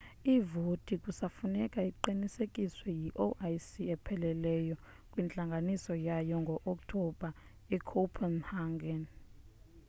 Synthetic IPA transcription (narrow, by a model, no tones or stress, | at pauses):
ivotʼikʼusafunɛkʼaiǃinisekʼiswɛjiʔoʔajsiɛpʰɛlɛlɛjɔ | kʼwint͡ɬʼaŋɡʱanisɔjajɔŋɡʱɔʔɔktʰɔbʱa | ɛkʰopʰɛnhaŋɡɛn